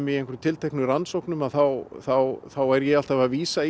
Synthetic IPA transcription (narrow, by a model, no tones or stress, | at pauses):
mɪẽjŋkɛɾmt̪ʰɪlt̪ʰehknʏransowknʏmaðθawθawθawɛɾjɛɣal̥t̪avaðviːsa